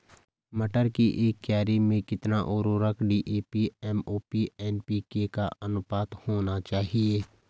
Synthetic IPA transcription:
mɐʈəɾkiʔeːkːɛːɾimẽkɪt̪naʔoːɾoɾəkʰɖiːʔeːpiɛːmoːpiɛːnpikekaɐnʊpaːt̪hoːnat͡ʃaːɦieː

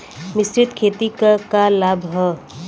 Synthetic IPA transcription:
mɪst͡ʃɪt̪kʰeːt̪ikəkalaːbʱɦə

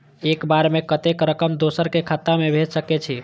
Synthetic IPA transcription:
ekbaɾmekət̪ekɾəkəmd̪osəɾkekʰat̪amebʱed͡ʒsəkɛt͡ʃʰi

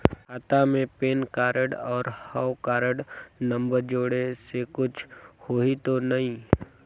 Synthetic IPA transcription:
ɦaːt̪amẽpeːnkaːɾəɽɔːɾhəwkaːɾəɽnə̃mbəɾd͡ʒoːɽesekʊt͡ʃʰhoːɦit̪onɐɦĩ

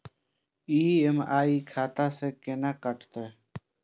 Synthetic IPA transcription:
iːemaːiːkʰaːt̪aːsekenakəʈt̪e

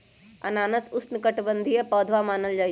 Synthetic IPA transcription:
ɐ̰naːnəsʊsnkəʈbə̃nd̪ʱijəpɔːd̪ʱʋamaːnəld͡ʒaː

